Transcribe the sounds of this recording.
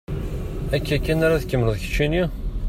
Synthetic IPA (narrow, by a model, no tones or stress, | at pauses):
ækːækːænaɾaðkːəmːnəðˤçə̥t͡ʃːini